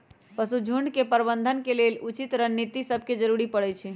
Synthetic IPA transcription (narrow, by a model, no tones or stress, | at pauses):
pəsud͡ʒʱuɳɖkepəɾbənd̪ʱənkelelut͡ʃit̪ɾənːit̪isəb̚ʱked͡ʒəɾuɾipəɽɛt͡ʃʰi